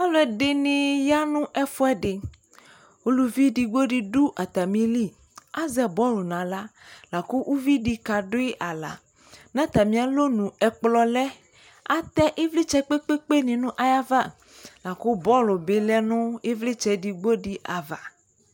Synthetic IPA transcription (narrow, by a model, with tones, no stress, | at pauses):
a˦lɔ˨˦ɛ˨ɖe˦nĩ˨ja˦nũ˦ʔɛ˦fo˦ɛ˦ɖɪ˨ | wo˦lu˨vi˦di˨ɡ͡bo˦ɖi˨ɖu˦ʔa˨t̪a˨mĩ˦li˦˨ | a˦zɛ˨bɔ˦lo˨nã˨la˦la˨ko˦ʔu˦vi˦ɖi˦ka˨ɖo˦e˦ʔa˨la̰˨ | nã˦t̪a˨mĩ˨˦a˨lo˦nũ˨ɛ˨k͡plɔ˨lɛ˦ | a˦t̪ɛ˦ʔe˦vli˦t͡ʃɛ˦k͡pe˦k͡pe˦k͡pe˦nĩ˨nũ˦ʔa˨ja˦va˦ | la˨ko˦bɔ˦lo˨be˦lɛ˦nũ˦e˦vle˦t͡ʃɛ˨di˨ɡ͡bo˦ɖi˦ʔa˨va˨